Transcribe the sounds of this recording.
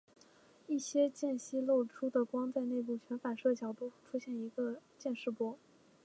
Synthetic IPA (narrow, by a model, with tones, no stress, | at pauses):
i˥˩ɕjɛ˥t͡ɕjɛ˥˩nɕi˥lo˥˩ʊʈ͡ʂʰu˥d̪ə˨kwɑ˥ŋt͡sa˥˧ɪne˥˧ɪp̬u˥˩t͡ɕɥɛ˧˥nfa˨˩ʂɤ˥˩t͡ɕʰjɑ˨˩ʊt̪u˥˧xʈ͡ʂʰu˥ɕjɛ˥˩ni˧˥ɡə˧t͡ɕjɛ˥˧nʂɻ̩˥˩pwɔ˥